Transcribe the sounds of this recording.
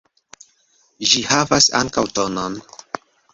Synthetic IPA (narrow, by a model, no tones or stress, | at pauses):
ʒihavasa̰ŋkawto̞non